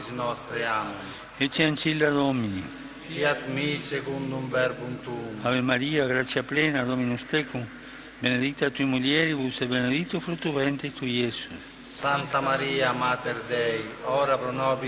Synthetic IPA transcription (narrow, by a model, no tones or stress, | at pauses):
snɔst̪ɾeami | et͡ʃːeant͡ʃild̪aðɔmini | fiat̪misekund̪umvɛɾbumt̪umaβemaɾiaɡɾat̪sjaplɛnad̪ɔminust̪ekum | bened̪it̪at̪umuljɛɾiβusebened̪it̪ːufɾut̪uβɛnt̪et̪ujesus | sant̪amaɾiamat̪eɾd̪ɛjɔɾapɾɔnɔbi